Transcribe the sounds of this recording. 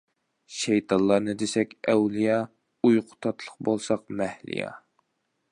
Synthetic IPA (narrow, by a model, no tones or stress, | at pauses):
ʃɛjt̪ʰɑnlˠɑɾnɨd̪esɛkʲɛwlijɑ | ujqʰʊ̥t̪ʰɑt̪ʰlˠəq̚bolˠsɑq̚mɛhlḭjɑ̰